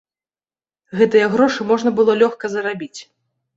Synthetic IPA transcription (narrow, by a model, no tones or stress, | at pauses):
ɣɛt̪ɨjɐɣɾɔʂɨmɔʐnɐbɨlˠɔlʲɔxkɐzɐɾabʲit͡sʲ